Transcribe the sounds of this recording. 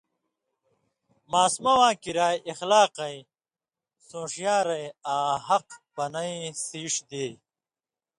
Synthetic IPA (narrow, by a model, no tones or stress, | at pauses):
maːsmɐwãːkiɾaːjʔixlaːqɐj | sõːʂjaːɾɐjaːɦɐqpɐnɐisiːʂd̪eː